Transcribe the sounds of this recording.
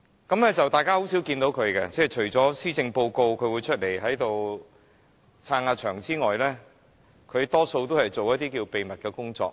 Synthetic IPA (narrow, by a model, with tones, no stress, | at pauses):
kɐ˨˥mɛː˥t͡sɐ˨wt̪aː˨jkaː˥ɦo˨˥ws̬iː˨˥wkiː˧nt̪o˨˥wkʰɵ˨˧ɥkɛ˧t͡sɛː˥˩t͡ʃʰɵ˨˩ɥt͡sɔː˨˥siː˥t͡sɪ˧ŋpo˧wko˧wkʰɵ˨˧ɥwuː˨˧t͡ʃʰɵ˥t̚le˨˩jɦɐ˨˥jt̪o˨w | t͡sʰaː˧ŋaː˧t͡ʃʰœ̰ː˨˩ŋt͡siː˥ŋɔː˨jlɛː˥ | kʰɵ˨˧ɥt̪ɔː˥so˧wt̪o˥whɐ˨˩jt͡so˨wjɐ˥t̪̚iː˥kiː˧wpe˨jmɐ˨t̚kɛː˧kʊ˥ŋt͡sɔ̰ː˧˥k̚